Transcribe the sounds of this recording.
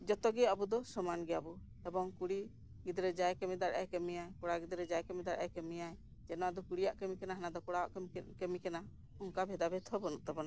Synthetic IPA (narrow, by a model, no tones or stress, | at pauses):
d͡ʒɔt̪ɔɡɛabud̪ɔsɔmanɡɛjabu | ɛbɔŋkuɽi | ɡid̪ɾɛd͡ʒajkɛmid̪aɽʔa̰jkɛmɛjajkɔɽaɡid̪ɾɛd͡ʒajkɛmid̪aɽʔa̰jkɛmɛjaj | d͡ʒɛnɔad̪ɔkuɽijaʔkɛmikɛnaɦanad̪ɔkɔɽawaʔkɛmikɛna | ɔŋkabʱɛd̪abɛt̪ʰɔbɔnuʔt̪ɛbɔna